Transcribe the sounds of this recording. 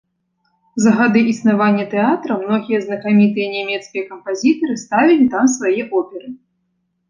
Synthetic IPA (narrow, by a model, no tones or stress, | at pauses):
zɐɣad̪ɨʔisnavanʲːɐt̪ɛat̪ɾɐmnɔɣʲijɛznɐkamʲit̪ɨjɐnʲamʲɛt̪skʲijɐkɐmpazʲit̪ɐɾɨst̪avʲilʲit̪amsvajɛʔɔpʲɛɾɨ